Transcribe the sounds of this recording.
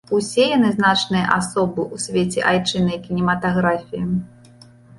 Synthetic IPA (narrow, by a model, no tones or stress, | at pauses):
usʲɛjanɨznat͡ʂnɨjɐʔasɔbɨʔusʲvʲet͡sʲɛ̰ʔajt͡ʂɨnɐjkʲinʲɛmɐt̪aɣɾafʲiji